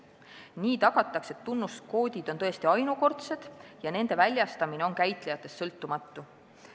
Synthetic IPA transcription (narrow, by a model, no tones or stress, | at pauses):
niːt̪ɑɡ̥ɑt̪ːˑɑkse̞t̪ːunːust̪ko̞ːd̪ʲid̪̥o̞nt̪ɤe̞st̪iɑjnuko̞rt̪se̞d̪̥jɑne̞nd̪̥e̞vælʲjɑst̪ɑmine̞o̞nkæjt̪ˑle̞jɑt̪ˑːe̞st̪ːsɤlt̪ːˑumɑt̪ˑːu